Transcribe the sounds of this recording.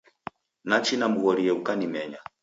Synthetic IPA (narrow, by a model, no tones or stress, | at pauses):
nat͡ʃinam̩ɣɔɾiɛukanimɛɲa